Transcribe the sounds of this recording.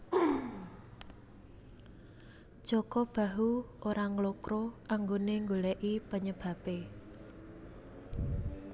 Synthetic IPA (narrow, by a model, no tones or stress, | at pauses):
ʒ̥ɔkɔb̥a̤ɦuʔoɾaŋlokɾoʔaŋɡoneŋɡolɛʔipəɲəb̥ä̤pe